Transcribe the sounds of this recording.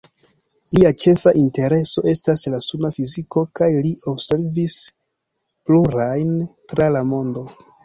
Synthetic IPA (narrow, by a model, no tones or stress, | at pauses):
liat͡ʃe̞faʔinte̞ɾe̞so̞e̞staslasunafiziko̞kajlio̞bse̞ɾvis | pluɾajntɾalamo̞ndo̞